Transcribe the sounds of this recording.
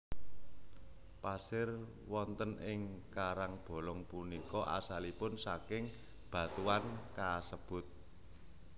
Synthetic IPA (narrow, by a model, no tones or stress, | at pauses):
pasɪr | wɔnt̪ənɪŋkaɾaŋb̥o̤lɔŋpunikɔʔa̰salipʊnsakɪŋ | b̥a̤t̪uankasəb̥ʊ̤t̪̚